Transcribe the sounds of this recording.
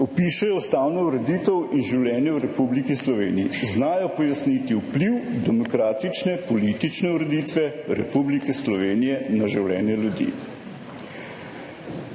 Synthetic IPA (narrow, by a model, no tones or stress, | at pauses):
ɔpiʃɛjɔst̪aːwnɔuɾɛd̪iːt̪əwinʒiwlʲɛːnjɛwɾɛpublikislɔʋḛːniiznaːjɔpɔjasnit̪iupliwd̪ɛmɔkɾaːt̪it͡ʃnɛpɔlit̪it͡ʃnɛuɾɛd̪it̪ʋɛɾɛ̰publikɛslɔʋeːnijɛnaʒiwlʲɛ̰ːnjɛljud̪ḭː